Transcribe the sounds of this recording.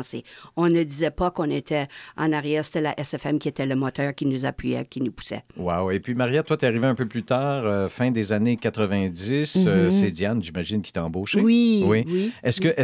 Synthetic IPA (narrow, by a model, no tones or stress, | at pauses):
sḛɔ̃nəd̪izɛpakɔ̃net̪ʰɛɑ̰̃naʁjɛːʁse̥t̪ɛla̰ʔɛsɛfɛmkʲiet̪ɛləmɔt̪œːʁkʲinuzapʰɥijɛ̰kʲinupu̥sɛ̰wawepɥimaʁijat̪wat̪yeaʁiveɛ̃pøplyt̪aːʁøfɛ̃d̪ezanekʲat̪ʁəvɛ̃d̪isøsed̪janʒimaʒɪnkʲi̥t̪ɛɑ̃boːʃewiwiwiɛskəʔɛ